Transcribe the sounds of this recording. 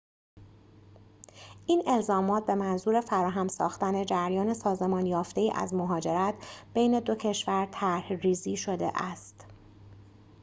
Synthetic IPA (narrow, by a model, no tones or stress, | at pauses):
ʔiːne̞lzɒːmɒːt̪̚be̞mænzuːɾe̞fæɾɒːɦæmsɒ̰ːxt̪æne̞d͡ʒæɾjɒːne̞sɒːze̞mɒːnjɒːft̪e̞iːʔæ̰zmoɦɒːd͡ʒe̞ɾæt̪b̥e̞jne̞d̪o̞cʰe̞ʃvæɾt̪ʰæɾhɾiːziːʃo̞d̪e̞̰ʔæst̪